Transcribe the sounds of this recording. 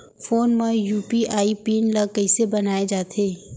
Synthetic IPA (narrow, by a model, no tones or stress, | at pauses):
fʰoːnmẽjuːpiaːipiːnləɡkəɪsebɐnaːed͡ʒaːt̪ʰeː